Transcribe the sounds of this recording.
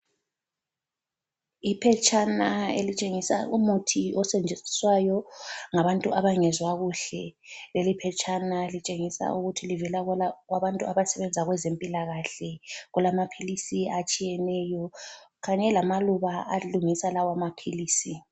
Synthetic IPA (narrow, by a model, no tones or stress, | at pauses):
ipʰɛt͡ʃʼanaelit͡ʃʼeŋisa̰ʔumutʰiɔsɛnd͡ʒʱeni̥swajɔŋaβantʼuʔaβaŋɛzwaɣuɬɛlelipʰɛt͡ʃʰʼanalit͡ʃʼeŋisa̰ʔuɣutʰilivɛlaɣwaβantʼuʔaβasɛβɛnd͡zʱaɣwɛzempʼilaɣaɬɛɣulamapʰilisiat͡ʃʼijɛnɛjɔɣaɲɛlamaluβaaluŋisalawamapʰiliːsi